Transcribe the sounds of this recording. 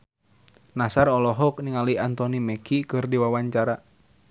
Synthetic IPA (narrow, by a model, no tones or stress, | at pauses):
nasaɾɔlɔɦɔk̚niŋaliant̪ɔnimɛkʰikɨrdiwawaɲt͡ʃaɾa